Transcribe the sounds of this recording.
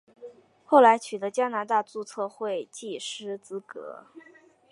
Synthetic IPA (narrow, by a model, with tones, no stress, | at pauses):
xo˥˩ʊla˧˥ɪt͡ɕʰy˨˩d̪ɤ˧˦˥t͡ɕja˥na˧˥t̪a˥˧t͡su˥˧t͡sʰɤ˥˧xwe˥˧ɪt͡ɕi˥˩ʂɻ̩˥t͡sɹ̩˥kɤ̰˧˥